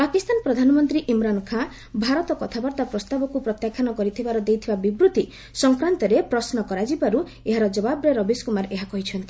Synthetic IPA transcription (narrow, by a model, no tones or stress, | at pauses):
pakist̪anpɾɔd̪ʱanɔmɔnt̪ɾiʔimɾankʰa | bʱaɾɔt̪ɔkɔt̪ʰabaɾt̪apɾɔst̪abɔkupɾɔt̪jakʰjanɔkɔɾit̪ʰibaɾɔd̪ejt̪ʰibabibɾut̪i | sɔŋkɾant̪ɔɾepɾɔsnɔkɔɾad͡ʒibaɾu | eɦaɾɔd͡ʒɔbabɾeɾɔbiskumaɾeɦakɔɦit͡ʃʰɔnt̪i